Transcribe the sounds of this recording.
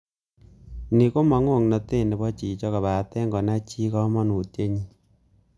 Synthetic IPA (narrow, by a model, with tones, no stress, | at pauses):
ni˨ko˦ma˨ŋo˦˨ŋnɔ˨te˦˨nɛ˨bɔ˦t͡ʃi˨t͡ʃɔ˦ka˨ba˨tɛ˦ŋɡɔ˨na˦t͡ʃi˦kɔ˦mɔ˦nu˨tje˦ɲi˦